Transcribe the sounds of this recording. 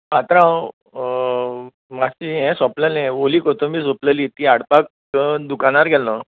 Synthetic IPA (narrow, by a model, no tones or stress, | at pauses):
mat̪ɾãw | masiɦɛ̃sɔpləlɛ̃ʋoliːkot̪omiːs̬opləlit̪iaɽpak̚ | d̪ukañaɾɡʱɛlnə